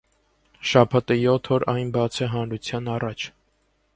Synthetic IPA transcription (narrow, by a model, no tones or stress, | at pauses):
ʃɑpʰɑt̪əjɔt̪ʰːɔɾʔɑjnbɑt͡sʰəɦɑnɾut͡sʰjɑnɑrɑt͡ʃʰ